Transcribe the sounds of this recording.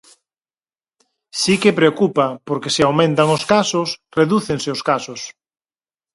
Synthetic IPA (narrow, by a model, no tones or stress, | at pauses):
sikepɾeokupapoɾkesɪawmẽnt̪aŋoskasosreðuθeŋseoskasʊs